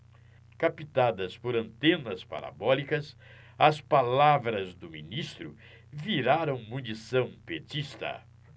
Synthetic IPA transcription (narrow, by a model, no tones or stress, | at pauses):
kapit̪ad̪ɐspoɾɐ̃nt̪ẽnɐspa̰ɾa̰bɔlikɐs | ɐspalavɾɐzd̪ʊminist̪ɾʊ | viɾaɾɐ̃w̃mũnisɐ̃w̃pet͡ʃist̪ɐ̰